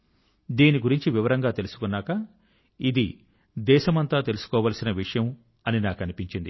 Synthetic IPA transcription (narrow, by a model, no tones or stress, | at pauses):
d̪iːniɡuɾiɲt͡ʃiʋiʋɐɾɐŋɡaːt̪e̞lusu̥kunːaːkɐ | id̪ḭ | d̪ɛːʃɐmɐnt̪aːt̪e̞lusu̥kɔːʋaːlsinɐʋiʂɐjɐm | ɐninaːkɐnipiɲt͡ʃind̪ḭ